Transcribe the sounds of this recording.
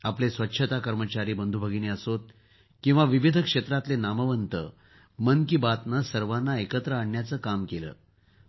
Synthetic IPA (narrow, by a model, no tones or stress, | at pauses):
aplesʋətːɕʰət̪akəɾmət͡ɕaɾiːbənd̪ʱubʱəɡineəsot̪̚ | kĩw̃ʋaʋiʋid̪ʱəkʂet̪ɾat̪lenaməʋənt̪ə̰ | mənkibat̪nasəɾʋanːaekət̪ɾəaɳːjat͡səːkamkelə̰ː